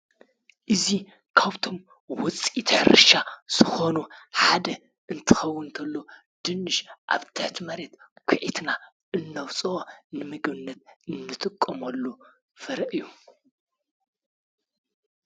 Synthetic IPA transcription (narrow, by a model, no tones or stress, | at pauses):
ʔɨzi | kʰaβt̪ʰo̞m | wʊt͡sʼit̪ʰħɾɨ̰ʃaz̥ɨxo̞nuħad̪ɐ | ʔɨnt̪ʰɨ̥xɐwːɨnt̪ʰɐlːo | d̪̥ɨnːɨʃʔa̰βt̪ʰɨħt̪ʰimɐɾe̞t̪kʷʰʊʕit̪na | ʔɨnːɐwt͡sʼɨonɨmɨɡβɨnːɐt̪ɨnːɨt̪ʰʼɨkʼːɐmɐlːu | fɐɾɐʔɨjːu